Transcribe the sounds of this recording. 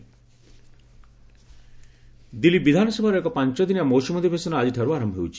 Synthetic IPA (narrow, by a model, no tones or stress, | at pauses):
d̪ilibid̪ʱanɔsebʱaɾɛkɔpaɲt͡ʃɔd̪inamowsumɔd̪ibʱesɔnaad͡ʒiʈʰeɾuaɾɔmɦewt͡ʃʰi̥